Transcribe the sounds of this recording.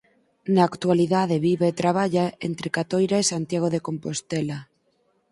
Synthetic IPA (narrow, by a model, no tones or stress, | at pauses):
naːkt̪waliðað̞eβiβeːt̪ɾaβ̞aʎaent̪ɾekat̪ojɾaesant̪jaɣ̞oðekompost̪ela